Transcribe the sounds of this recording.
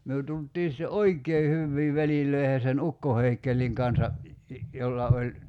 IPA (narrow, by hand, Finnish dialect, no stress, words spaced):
myø tultˑiː sĭtːe oikˑeː hyʋːiː ʋælilˑøi̞he sen ukːo heikːelːiŋ kɑnsɑ jolːɑ olʲ